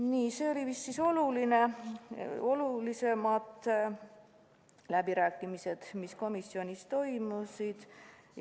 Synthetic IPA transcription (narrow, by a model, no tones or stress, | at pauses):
niːseːo̞lʲivisːiso̞luline̞ | o̞lulise̞mɑd̪ˑ | læbiɾæːkːˑimise̞d̪̥misko̞misːio̞nʲist̪o̞jmusid̪̥